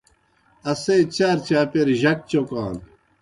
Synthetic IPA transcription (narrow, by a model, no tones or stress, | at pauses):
ɐset͡ɕaɾt͡ɕaːpeɾʑɐk̚t͡ɕokaːn